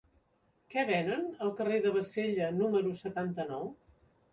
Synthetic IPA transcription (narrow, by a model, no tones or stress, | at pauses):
kɛβɛnənəlˠkəreðəβ̞əseʎənuməɾusət̪ant̪ənɔw